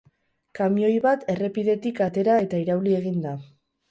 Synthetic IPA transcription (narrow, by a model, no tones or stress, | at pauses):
kamio̞jβat̪e̞re̞piðe̞t̪ikat̪e̞ɾae̞t̪aiɾawlie̞ɣ̞ind̪a